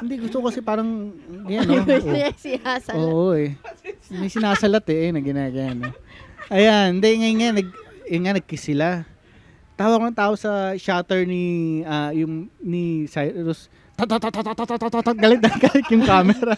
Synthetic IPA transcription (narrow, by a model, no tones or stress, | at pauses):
hɪnd̪iɡʊst̪okkɐsɛpaːɾɐŋɡɐjanːoosɪasoːʔoʔɛ | mɐjsɪnaːsɐlɐt̪ɛʔɛnɐɡɪnaːɡɐɐnːoʔɐjand̪ɛŋɐjŋanɐɡ̚ɛŋanɐɡ̚kɪsɪla | t̪aːwɐɡkonɐŋt̪aːʔosɐʃaːt̪ɛɹniajʊŋnisajt̪os | t̪at̪at̪at̪at̪at̪at̪ot̪ot̪ot̪ɐt̪̚ɡɐlɪt̪̚ɐkalɪt̪̚jʊŋkaːmɛɾɐ